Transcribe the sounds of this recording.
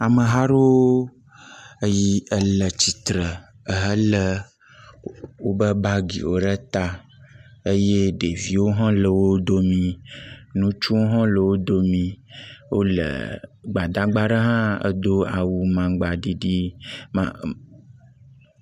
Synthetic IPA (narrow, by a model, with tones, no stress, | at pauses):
a˨mə̃˨ɦa˦ɾo˦ | ə˦ji˦ə˦lə˨t͡ɕi˨t̪ɾə˨ | ə˨ɦə˦lə˦ | wo˦bə˦ba˦ɡḭ˨wo˦ɖə˦t̪a˦ | ə˦je˦ɖe˨vi˦wo˦ɦɔ̃˦lə˨wo˦d̪o˦mĩ˨nũ˦t͡ʃu˦wo˦ɦɔ̃˦lə˨wo˦d̪o˦mĩ˨wo˦lə̰˨ɡ͡ba˨d̪a˦ɡ͡ba˦ɖə˦ɦã˦ə̰˦d̪o˦a˨wu˨mã˨ɡ͡ba˨ɖi˦ɖi˦mã̰˨